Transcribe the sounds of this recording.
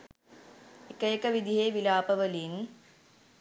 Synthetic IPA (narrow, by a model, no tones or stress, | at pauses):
ikəjekəʋid̪iɦeːʋilaːpɐʋəlin